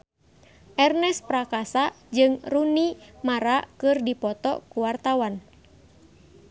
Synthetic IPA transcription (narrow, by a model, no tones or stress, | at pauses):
ʔɛrnɛspɾakasa | d͡ʒɨŋrunimaɾakɨrdipɔt̪ɔ̰kuwart̪awan